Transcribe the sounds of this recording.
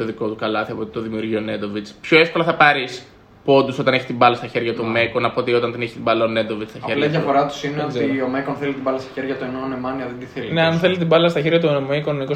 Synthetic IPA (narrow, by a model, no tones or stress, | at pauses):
oðiko̞t̪ukɐlɐθiɐpo̞t̪i̥t̪o̞ðimiuɾʝione̞d̪ovit͡spço̞efko̞lɐθɐpɐɾis | po̞d̪uso̞t̪ɐneçi̥st̪imbɐlɐst̪ɐçe̞ɾʝɐt̪uomeko̞nɐpo̞t̪io̞t̪ɐnt̪ineçi̥st̪ibɐlɐone̞d̪o̞vit͡sst̪ɐçɐelɐmjɐfoɾɐt̪u̥sineot̪iomekonθelit̪imbɐlɐst̪ɐ̥çe̞ɾʝɐt̪oenonemɐniɐðed̪iθelineɐnθe̞lit̪̬ibɐlɐst̪ɐçe̞ɾʝɐt̪onomeikonomiko